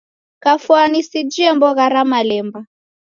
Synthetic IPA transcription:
kafuanisid͡ʒiɛmbɔɣaɾamalɛmba

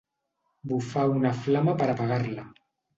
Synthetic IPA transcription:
bufaunaflamapaɾapaɣaɾla

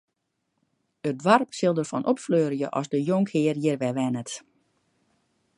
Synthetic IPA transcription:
ədwarpsɪlˠdərfɔnʔɔpfløːrjəʔɔsdəjoŋkhɪːərjɪrʋɛʋɛnət

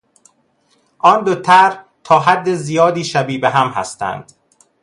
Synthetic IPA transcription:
ʔɒːnd̪ot̪ʰæɾ | t̪ʰɒːɦæd̪ːezijɒːd̪iːʃæbiːbeɦæmɦæ̰st̪æ̰nd̪̥

